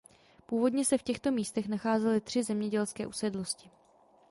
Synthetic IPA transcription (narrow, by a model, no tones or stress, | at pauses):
puːvo̞dɲɛsɛfcɛxt̪o̞miːst̪ɛxnaxaːzɛlɪt̪r̥ɪzɛmɲɛɟɛlskɛːʔusɛdlo̞scɪ